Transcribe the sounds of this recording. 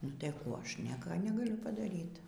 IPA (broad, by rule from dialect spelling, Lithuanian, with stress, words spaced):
nʊ tɐɪ ˈkuː ˈɐʃ ˈnʲiɛkɐ nʲɛɡɐˈlʲʊ pɐdɐˈrʲiːt